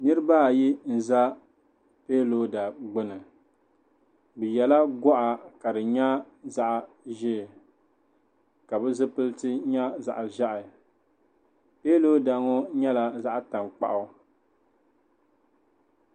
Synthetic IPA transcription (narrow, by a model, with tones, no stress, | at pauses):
nɨ˦ɾɨ˦ba˦˨ji˦n̩˨za˦ | peː˦lo˦da˨ɡ͡bɨ˦nɨ˨ | bɨ˨jɛ˨la˦ɡɔ˦ʔa˨ka˨dɨ˨ɲa˦ | za˦ʔ | ʒɪ˦˨ | ka˨bɛ˦zɨ˦pɨ˦ltɨ˦ɲa˦za̰˨ʔʒa˦ʔɪ˨ | peː˦lo˦da˨ŋɔ˦ɲɛ˦la˨za˦ʔta˨mk͡pa̰˨ʔʊ˦